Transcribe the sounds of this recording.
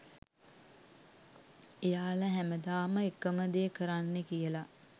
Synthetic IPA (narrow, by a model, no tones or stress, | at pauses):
ejaːləɦæməd̪aːməekːəməd̪eːkəɾanːekijəla